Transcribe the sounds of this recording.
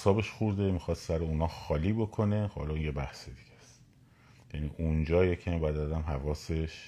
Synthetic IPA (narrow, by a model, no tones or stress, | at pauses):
sɒːbe̞ʃxuɾd̪e̞mixɒːst̪sæɾeuːnɒːxɒːliːbo̞kʰo̞ne̞hɒ̰ːlɒjebæhsed̪iɟ̥æst̪ | jænḭʔund͡ʒɒːjecʰæmibæd̪æzæmɦævɒːseʃ